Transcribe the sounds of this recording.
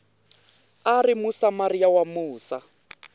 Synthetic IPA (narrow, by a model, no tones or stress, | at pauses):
arɪmʊsamarijawamuːsa